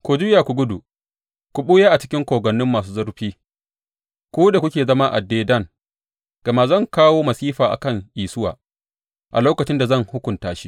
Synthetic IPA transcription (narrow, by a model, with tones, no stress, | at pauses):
kʷoː˨d͡ʒʊ˦jaː˨kʷu˨ɡʷʊ˦du˨ | kʷu˨ɓuː˦jaː˦ʔa˨t͡ʃɪ̥˦kʲɪ˦ŋkʷoː˨ɡɐ˨nːɪ˦mːaː˨s̬uː˦zɐ˦ɾɸiː˦ | kʷuː˦da˨kʷʊ˦kʲeː˨zɐ˦ma˦ʔa̰˨deː˦dɐ˦˨ŋ | ɡ̥ɐ˨ma˦zɐ˦˨ŋkaː˦woː˦mɐ˨siː˦ɸaː˨ʔa̰˨kɐ˦˨ŋʔiː˨sʊ˦wa̰ː˨ | ʔa̰˨loː˦kɐ˨t͡ʃɪ˦nda˨zɐ˦˨ŋhʊ˦kʷʊ˨ntaː˨ʃi˦